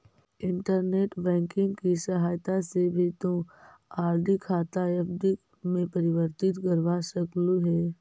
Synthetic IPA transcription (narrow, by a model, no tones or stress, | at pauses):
ɪ̃ɳʈəɾneːʈbɛ̃ːŋkɪ̃ŋɡkisɐɦaːjt̪asebʱit̪õ | aːɾɖikʰaːt̪aefɖi | mẽpɐɾɪʋəɾt̪ɪt̪kəɾʋasəkluɦɛː